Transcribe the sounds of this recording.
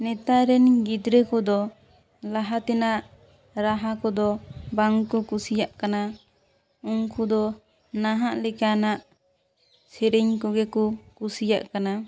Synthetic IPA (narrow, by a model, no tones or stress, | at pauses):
nɛt̪aɾɛnɡid̪ɾɛkɔd̪ɔ | laɦat̪ɛnaʔ | ɾaɦakɔd̪ɔbaŋkɔkusijaʔkana | ɔŋkʰud̪ɔ | naɦaʔlɛkanaʔ | sɛɾɛɲkɔɡɛkɔkusija̰ʔkana